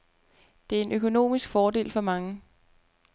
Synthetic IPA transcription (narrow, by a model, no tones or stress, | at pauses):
d̥e̝æɐe̝nøkʰo̝no̝̰ːmisɡ̥fɒːd̥e̝̰ːlfɒ̽mɑ̈ŋə